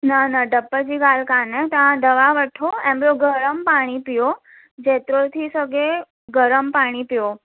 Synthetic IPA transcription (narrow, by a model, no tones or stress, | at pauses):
nənəɖəpːəd͡ʒiɡalkanet̪əãd̪əʋaʋəʈʰoẽmbɾoɡʱəɾəmpaɽ̃ipijo | d͡ʒet̪ɾot̪ʰisəɡe | ɡəɾəmpaɽ̃ipjo